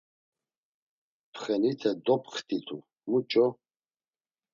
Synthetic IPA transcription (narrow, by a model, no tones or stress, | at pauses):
pʰχɛnit̪ʰɛd̪ɔpχt̪ʰʼit̪ʰṵ | mut͡ʃʼɔ